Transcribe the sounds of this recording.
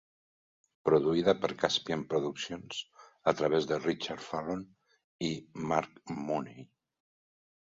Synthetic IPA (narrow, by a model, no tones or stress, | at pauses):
pɾuðuiðəpəɾkaspjampɾuðuksjonsət̪ɾəβezðərit͡ʃaɾfalon | imaɾkmunej